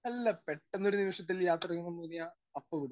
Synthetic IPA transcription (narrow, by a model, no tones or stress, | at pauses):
ɐlːɐpeʈːenːoɾuniʋɐʂɐt̪ːiljaːt̪rɐɣunːɐmp̪oːnːijaː | ɐpːokuɽu